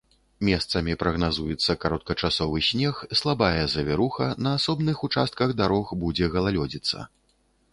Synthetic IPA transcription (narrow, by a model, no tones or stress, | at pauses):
mʲɛst̪sɐmʲipɾɐɣnazujɛt̪sːɐkaɾɔt̪̚kɐt͡ʂasɔvɨsʲnʲɛxslˠabajɛzɐvʲɛɾuxɐnɐːsɔbnɨxut͡ʂast̪̚kɐɣd̪aɾɔxbud͡zʲɛɣɐlˠalʲɔd͡zʲit̪sːɐ̰